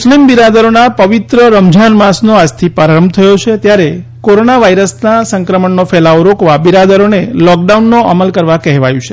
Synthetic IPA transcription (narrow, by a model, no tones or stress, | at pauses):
slimbiɾad̪əɾonapəʋit̪ɾəɾəmd͡ʒʱanmasnoad͡ʒt̪ʰipaɾaɾəmbʱt̪ʰəjot͡ʃʰet̪jaɾekoɾonaʋaiɾəsnasəŋkɾəməɳnofʰɛlaoɾokʋabiɾad̪əɾonelɔk̚ɖaunːoʔaməlkəɾʋakɛɦʋajũt͡ʃʰe